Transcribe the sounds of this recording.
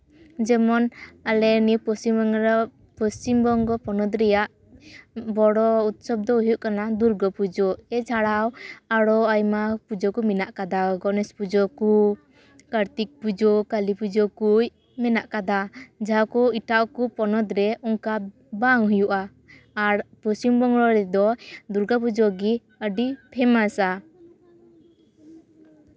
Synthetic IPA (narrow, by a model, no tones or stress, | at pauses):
d͡ʒɛmɔnalɛniwpɔst͡ʃimbɔŋɾ | pɔst͡ʃimbɔŋɡɔpɔnɔd̪ɾɛjaʔ | bɔɽɔut̪̚sɔb̚d̪ɔɦujuʔkanad̪uɾɡɔpud͡ʒɔɛt͡ʃʰaɽawaɽɔajmapud͡ʒɔkuminaʔkad̪awɡɔnɛspud͡ʒɔku | kaɾt̪ik̚pud͡ʒɔkalipud͡ʒɔkuj | mɛnaʔkad̪ad͡ʒakɔiʈaʔkupɔnɔd̪ɾɛɔŋka | baŋɦujuʔaː | ɾpɔsimbɔŋɽɔɾɛd̪ɔd̪uɾɡɔpud͡ʒɔɡi | əɖipʰɛmasa